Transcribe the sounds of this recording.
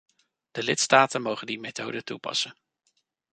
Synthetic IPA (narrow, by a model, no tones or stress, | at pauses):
d̥əlɪtstaːtənmowχəndimetowdətupɑ̰sən